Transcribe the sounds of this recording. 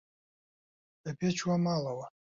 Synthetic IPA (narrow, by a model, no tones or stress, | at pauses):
ɛpʰɛt͡ʃʰwamalawa